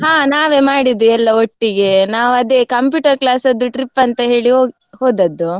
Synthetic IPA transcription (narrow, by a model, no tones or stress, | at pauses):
ɦaːnaːʋemaːɽid̪uɛlːɐoʈːiɡenaːʋuɐd̪eːkɐmpjuːʈɐɾklaːsɐd̪ːuʈɾipːɐnt̪ɐɦe̞ːɭiɦoː | hoːd̪ɐd̪ːu